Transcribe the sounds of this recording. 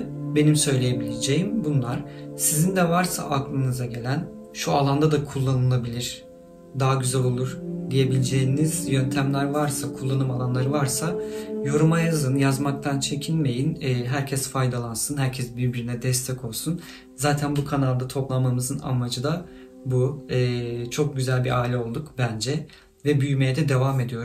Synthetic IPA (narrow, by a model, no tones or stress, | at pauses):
be̞nimsø̞jlʲeje̞bilʲed͡ʒejimbunlˠaɾ̥sizind̪ɛvaɾsa̰ʔaklˠɯnɯzaɟe̞lʲæn | ʃualˠand̪ad̪akʰulˠːanɯlˠabilʲiɾ̥ | d̪aɦaɟyzælʲolˠuɾ̥d̪ije̞bilʲed͡ʒejniz̥jønt̪ʰæmlʲæɾvaɾsakʰulˠːanɯmalˠanlˠaɾɯvaɾsajo̞ɾumajazɯnjazmak̚t̪ʰant͡ʃʰe̞cʰinme̞jinɛːɦæɾcʰɛsfajd̪alˠansɯnɦæɾcʰɛsbiɾbiɾinɛd̪ɛst̪ʰɛkʰo̞lˠsun | zaːt̪ʰænbukʰanalˠd̪at̪ʰo̞plˠammːamɯzɯna̰mad͡ʒɯd̪a | buɛːt͡ʃʰo̞k̚ɟyzælʲbiɾʔaːilʲɛo̞lˠd̪ukbænd͡ʒɛ | vɛbyjme̞jɛd̪ɛd̪e̞vaːme̞d̪ijo̞ɾ